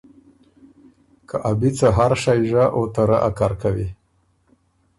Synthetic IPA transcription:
kʰaʔabit͡saɦaɾʂajʒaʔot̪aɾa̰ʔa̰kaɾkawi

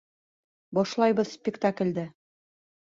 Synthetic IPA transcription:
bɒʃlˠɑjbɤðspʲɪkt̪aklʲd̪æ

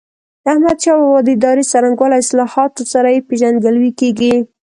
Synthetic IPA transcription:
ahmad̪ʃɑwawɑd̪id̪ɑɾisaɾaŋɡwɑlaɪslɑhɑt̪osaɾajepeʒanɡalwikeɡi

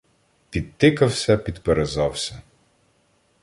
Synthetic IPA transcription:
pʲid̪̚t̪ɪkɐwsʲɐpʲid̪peɾezɑwsʲɐ

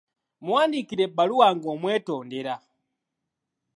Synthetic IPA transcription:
muwandikiɾɛɓaluwaŋɡɔmwɛtɔndɛɾa

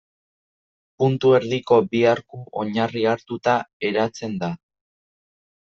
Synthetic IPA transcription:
punt̪ue̞ɾðiko̞biaɾkuʔo̞ɲariaɾt̪ut̪ae̞ɾat͡se̞nd̪a

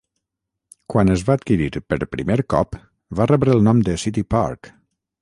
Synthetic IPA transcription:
kwanəzβaət̪kiɾiɾpəɾpɾḭmeɾkɔ̰p | varɛβɾəːlˠnɔmd̪əsit̪ipa̰ɾk

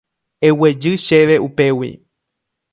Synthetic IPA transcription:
ewe̞d͡ʒɨʃe̞ʋe̞ʔupe̞wḭ

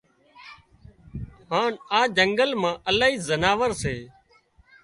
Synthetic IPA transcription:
ɦaːnaːd͡ʒəŋɡəlmãːʔəlaːɦiːzənaːʋəɾseː

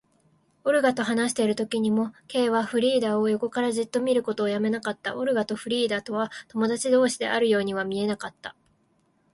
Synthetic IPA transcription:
oɾɯ̟ɡat̪o̞ɦanaɕi̥t̪e̞ɾɯ̟t̪o̞kʲiɲ̟imo̞ke̞ːβaɸɯ̟ɾʲiːd̪aːo̞jo̞ko̞kaɾaʑit̪ːo̞mʲiɾɯ̟ko̞t̪o̞ːjame̞nakat̪ːa̰ʔoɾɯ̟ɡat̪o̞ɸɯ̟ɾʲiːd̪aːt̪o̞β̞at̪o̞mo̞d̪at͡ɕid̪o̞ːɕid̪e̞̰ʔa̰ɾɯ̟jo̞ːɲ̟iβamʲie̞nakat̪ːa

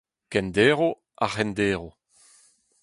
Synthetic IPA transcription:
kɛnd̪eːʁo | aχɛnd̪eːʁo

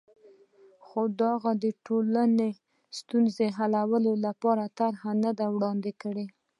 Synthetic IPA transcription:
xod̪ɑɣad̪əʈolane | st̪unzeɦalawəlolapɑɾat̪aɾhanad̪awɽɑnd̪ekəɽe

